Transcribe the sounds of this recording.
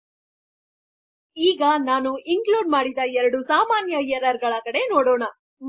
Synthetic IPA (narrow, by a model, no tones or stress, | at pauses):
iːɡɐnaːnuʔiŋkluːɖmaːɽid̪ɐɛɾɐɽusaːmaːnjɐjɛɛɾɐɾɡɐɭɐkɐɽe̞noːɽoːɳɐ | m